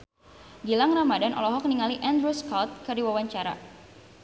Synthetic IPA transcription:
ɡilaŋramadanʔɔ̰lɔɦɔk̚niŋaliʔandɾuskɔlt̪̚kərdiwawaɲt͡ʃaɾa̰

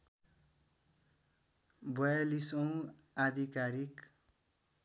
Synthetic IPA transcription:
bʌjalisʌw̃ | ad̪ʱikaɾik

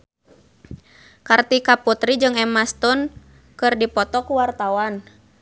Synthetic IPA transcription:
kart̪ikaput̪ɾid͡ʒɨŋɛmast̪ɔn | kɨrdipɔt̪ɔkuwart̪awan

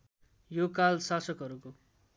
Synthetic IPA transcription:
jokalsasʌkɦʌɾuko

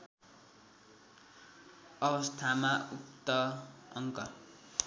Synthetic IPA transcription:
ʌbʌst̪ʰamaʔupt̪ʌʌŋkʌ

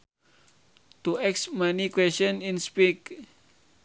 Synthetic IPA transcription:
t̪uɛksmanikwɛsənĩnspik

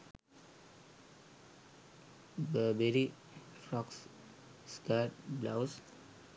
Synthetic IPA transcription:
bəbeɾi | fɾɔks | skaːʈblaʊs

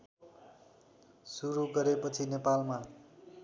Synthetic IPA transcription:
suɾuɡʌɾepʌt͡sʰinepalma

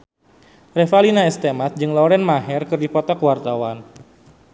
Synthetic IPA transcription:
rɛfalinaɛst̪emat̪̚d͡ʒɨŋlɔɾɛnmaɦɛrkɨrdipɔt̪akwart̪awan

